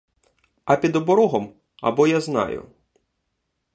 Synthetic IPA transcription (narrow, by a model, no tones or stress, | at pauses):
ɐpʲid̪ɔbɔɾɔɦɔm | ɐ̰bɔjaznɑ̰jʊ̰